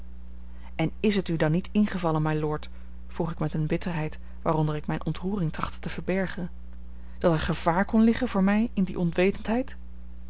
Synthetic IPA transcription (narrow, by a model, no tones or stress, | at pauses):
ɛnɪsɦətydɑnːitɪnχəvɑlənmɛjlʊːɹt | fruχɪkmɛtənbɪtəɹɦɛjt | ʋaːrɔndəɹɪkmɛjnʔɔntruːrɪŋtrɑχtə̥təv̥əɹbɛɹχən | d̥ɑtəχəv̥aːɹkɔnlɪχənvʊːɹmɛjɪndḭʔɔnʋejtəntɦɛjt